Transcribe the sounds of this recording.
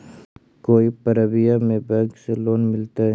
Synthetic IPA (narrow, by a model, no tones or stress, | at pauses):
koːipəɾəbijamẽbɛɡseloːnmɪlt̪a